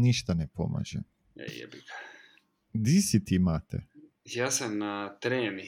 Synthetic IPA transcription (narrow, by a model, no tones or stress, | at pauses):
niʃt̪anepo̰ma̰ʒe | ḛjɛ̰bika | d̪isit̪imaːt̪ʰḛ | jaːsamnat̪ɾeːni